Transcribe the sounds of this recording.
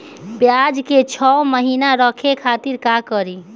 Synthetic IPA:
pjad͡ʒket͡ʃʰɔməɦinaɾəkʰekʰat̪iɾkakəɾi

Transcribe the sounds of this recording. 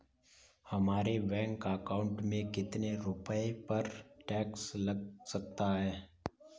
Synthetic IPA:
hɐmaːɾebɛ̃ːŋkakaːʊ̃ɳʈmẽkɪt̪neɾʊpəepɐɾʈɛːkslɐɡsɐk̚t̪aɦɛː

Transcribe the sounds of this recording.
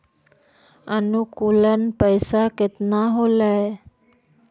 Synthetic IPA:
ənukulənpəjsaket̪naɦolaj

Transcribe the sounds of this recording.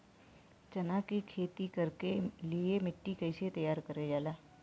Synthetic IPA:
t͡ʃɐnakikʰeːt̪ikɐɾkeliemɪʈːikɐɪset̪ɐjaːɾkɐɾed͡ʒaːlaː

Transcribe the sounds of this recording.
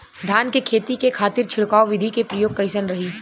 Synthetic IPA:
d̪ʱjaːnkekʰeːt̪ikekʰaːt̪ɪɾt͡ʃʰɪɽkaːoʋɪd̪ʱikepɾɐjoːɡ̚kɐɪsənɾɐɦiː

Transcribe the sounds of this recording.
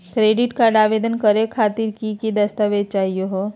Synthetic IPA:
kɾeːɖɪʈkaɾɖaːʋeːd̪ənkəɾekʰaːt̪iɾkikid̪ɐst̪aːʋed̪̚t͡ʃaːɦijoɦo

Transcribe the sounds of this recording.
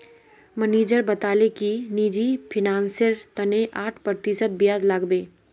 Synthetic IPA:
məneːd͡ʒəɾbɐt̪aːlekiniːd͡ʒipʰɪnãːnsjəɾt̪ɐneʔaːʈʰpɾɾt̪ɪsət̪̚bɪjaːzlaːɡbẽː

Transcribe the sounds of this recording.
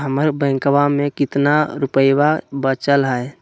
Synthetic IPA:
ɦəməɾbə̃ŋkʋamẽkɪt̪naɾupəjʋabət͡ʃəlɦəe

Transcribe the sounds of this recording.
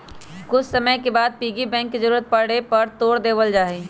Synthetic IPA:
kʊt͡ʃʰsəməjkebaːd̪̚piːɡibɛ̃ːŋkːizəɾuːɾət̪̚pɐɽepɐɾt̪oːɽd̪eːʋəld͡ʒaːe

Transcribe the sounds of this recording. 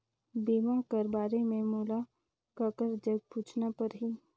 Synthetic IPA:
biːmakəɾbaːɾemẽmuːla | kəkəɾd͡ʒəɡ̚puːt͡ʃʰnapɐɾɦiː

